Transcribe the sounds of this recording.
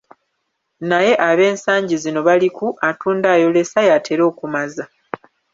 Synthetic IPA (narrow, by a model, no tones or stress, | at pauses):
naje̞ʔaβe̞ːnsaːɲɟizino̞βalikuʔatuːndaːjo̞le̞sajatʰe̞ɾo̞ːkumaza